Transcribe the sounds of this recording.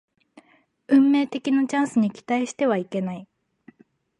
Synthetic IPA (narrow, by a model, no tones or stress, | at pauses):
ɯ̟̃mːe̞ːt̪e̞kʲinat͡ɕãɰ̃sɨɲ̟ikʲi̥t̪aiɕi̥t̪e̞β̞aike̞nai